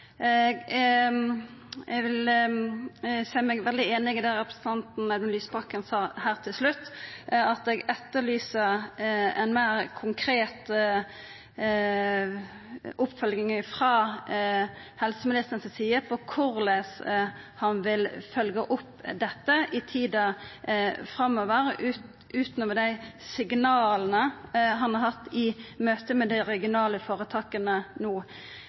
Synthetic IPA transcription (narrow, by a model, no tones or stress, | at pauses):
ɡ | ɛʋɪl | sæɪmɛɡʋɛld̪ɪeːnɪɡɪd̪æʁɛpɾəsən̩t̪ʰɑnt̪n̩ɛd̪ənlyːsbʁɑkːənsɑːhæːʁt̪ʰɪlslʉt̪ːɑt̪ɛɡɛt̪ːəlyːsəɾɛnmeːɾkʰʊŋkʰɾeːt̪ | ʊpfœlɡnɪŋəfʁɑː | hɛlsəmɪnɪst̪ənsəsiːəpʰɔkʰʊɾlɛs | hɑnʋɪlfœlɡəʔʊpːd̪ɛt̪ːəʔɪt̪ʰiːd̪ɑ | fʁɑmoːʋəɾ | ʔʉːt̪nɔːmɛd̪æɪsɪɡnɑːlənəɦɑnhɑɾhɑt̪ːɪmøːt̪əmɛd̪æɾɛɡɪʊnɑːləfoːɾət̪ʰɑːkənənuː